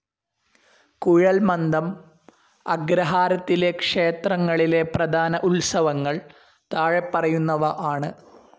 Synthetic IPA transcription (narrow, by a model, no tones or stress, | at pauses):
kuɻɐlmɐnd̪ɐm | ɐɡɾɐɦaːɾɐt̪ːile̞kʂe̞ːt̪rɐŋːɐɭile̞prɐd̪ʱaːnɐʔulsɐʋɐŋːɐɭ | t̪aːɻepːɐrɐjunːɐʋɐʔaːɳɨ